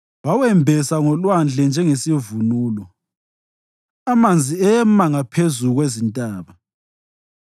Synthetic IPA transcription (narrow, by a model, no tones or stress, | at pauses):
wawɛmbʱɛsaŋɔlwand͡ɮʱɛnd͡ʒʱɛŋesivunuːlɔ | amand͡zʱiɛjɛmaŋapʰezuɣwezintʼaːβa